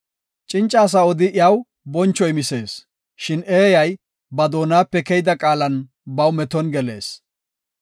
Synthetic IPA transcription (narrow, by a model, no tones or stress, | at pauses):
t͡ʃʼɪnt͡ʃʼːaːs̬ɐɔd̪ɪʔjaw | bɔnt͡ʃːɔjmɪseːs | ʃɪneːjɐj | bɐd̪oːnaːpːɛkɛjd̪ɐkʼaːlɐn | bɐwmɛt̪ɔnɡɛle̞̰ːs